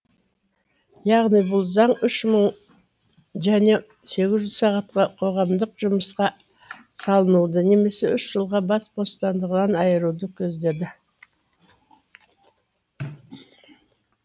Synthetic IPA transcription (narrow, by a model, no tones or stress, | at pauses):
jɑʁnijbʊlˠzɑɴʏʃməɴ | ʒæne̞ | se̞ɡʲɪzʒʏzsɑʁɑt̪̚qɑqʰo̞ʁɑmd̪əqʒʊməsqɑ | sɑlˠənud̪əne̞me̞se̞ʏʃʒ̥əlˠʁɑbɑsbo̞st̪ɑnd̪əʁənɑnɑjəɾud̪əkʲʰɵzd̪e̞d̪ɪ